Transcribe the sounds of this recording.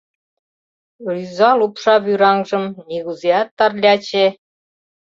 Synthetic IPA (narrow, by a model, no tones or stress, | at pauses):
ryzɑlupʃɑβyɾɑŋʒə̆mniɣuzejɑt̪ːɑrlʲɑt͡ɕe